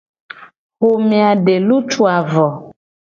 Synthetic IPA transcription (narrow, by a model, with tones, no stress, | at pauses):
ho˨mĩ˨a˨ɖe˨lu˦t͡ʃʰu˨a˨vɔ˨